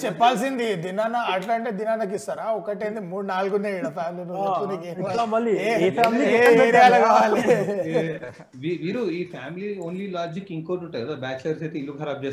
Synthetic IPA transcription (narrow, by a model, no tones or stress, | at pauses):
t͡ʃɛpːaːlsind̪id̪inaːnɐɐːʈlɐɳʈed̪inaːnɐk̬ist̪ɐɾaːɔkːɐʈeːnd̪imuːɽnaːlɡuneːiɽɐpʰaːmlinuɐkunikenlamɐlːiieːɐpeɾijaːlɐɡaʋaːli | ʋiʋiːɾuiːpʰaːmilioːnlilaːd͡ʒikːiŋkoʈuɳʈːɐjɐdobaːt͡ʃlɐɾset̪eilːuɡʱɐːɾɐbd͡ʒe